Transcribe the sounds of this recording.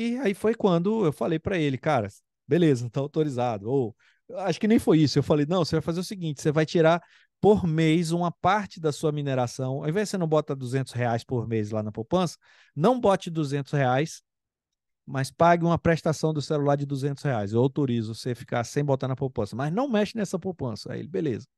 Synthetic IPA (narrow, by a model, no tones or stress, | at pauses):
ɪaifojkwɐ̃nd̪ʊewfalejpɾɐelɪkaɾɐ̰ | belezɐt̪aawt̪oɾizad̪ʊow | aʃʊ̥kɪnẽj̃fojisʊewfalejnɐ̃w̃sevajfazeɾʊsiɡĩnt͡ʃɪ̥sevajt͡ʃiɾa | poɾmejz̬ũmɐpaɾt͡ʃɪd̪ɐsuɐmineɾasɐ̃w̃a̰w̃ẽvɛʒd͡ʒɪsenɐ̃w̃bɔt̪ɐd̪uzẽnt̪ʊsheajspoɾmejzlanɐpopɐ̃sɐ̥ | nɐ̃w̃bɔt͡ʃɪd̪uzẽnt̪ʊ̥sheajs | mɐspaɡɪũmɐpɾeʃt̪asɐ̃w̃d̪ʊselulaɾd͡ʒɪd̪uzẽnt̪ʊsheajzewawt̪oɾizʊsefi̥kasẽj̃bot̪aɾnɐpowpɐ̃sɐmɐznɐ̃w̃mɛʃɪnɛsɐpowpɐ̃sɐ̰ḛlɪbelḛzɐ